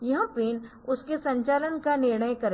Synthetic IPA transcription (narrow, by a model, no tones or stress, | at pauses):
jɐɦə̃peːn | ʊskesɐ̃ɲt͡ʃaːlənkanɪɾɳəjkɐɾ